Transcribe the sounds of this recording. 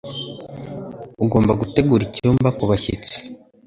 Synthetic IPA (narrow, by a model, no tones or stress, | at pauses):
uɡo̞ːmbaɡute̞ɡuɾiciɾuːmbakuβaçḭt͡si̥